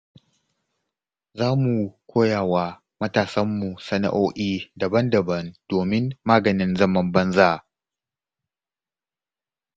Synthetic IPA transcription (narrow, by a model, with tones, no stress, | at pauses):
zaː˦mu˨kʷoː˦jaː˨waː˨ | mɐ˦taː˨sɐ˦mːu˨sɐ˦na̰˨ʔoː˦ʔiː˦dɐ˨bɐ˦ndɐ˨bɐ˦nd̥oː˨mɪ˦nːaː˦ɡɐ˨nɪ˦nzɐ˦mɐ˦mbɐ˦nzaː˦˨